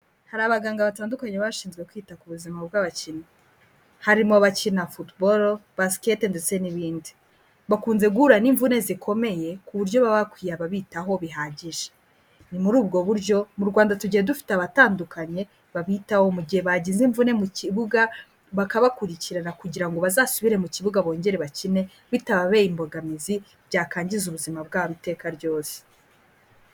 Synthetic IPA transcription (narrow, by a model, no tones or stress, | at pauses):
haɾaːβaɡaːŋɡaβataːndukaɲeβaʃiːnzɡwe̞kwiːtakuβuzimabɡaβacina | haɾimoβacinafutboɾobasketendet͡se̞niβiːndi | βakuːnze̞ɡuɾaniːɱvune̞zikʰo̞me̞je̞kuβuɾɟo̞βaβakwiːjaβaβiːtaɦo̞βiɦaɟiʒe̥ | nimuɾuːbɡo̞βuɾɟo̞muɾɡwaːndatuɟihedufi̥taβataːndukaɲe̞ | βaβitaho̞muɟihe̞βaɟiziɱvune̞muciβuɡa | βakaβakuɾiciɾaɾakuɟiɾaŋɡo̞βazaːsuβiɾe̞muciβuɡaβo̞ːɲɟe̞ɾe̞βacine̞ | βitaβaβe̞ːjimbo̞ɡamizi | bɟaːkaːɲɟizuβuzimab̚ɡaːaβite̞ːkaɾɟo̞ːse̥